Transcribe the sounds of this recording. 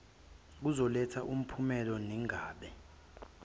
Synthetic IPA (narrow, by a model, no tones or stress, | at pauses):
k̬uzɔlɛtʰaʔum̩pʰumɛlɔniŋaːɓɛ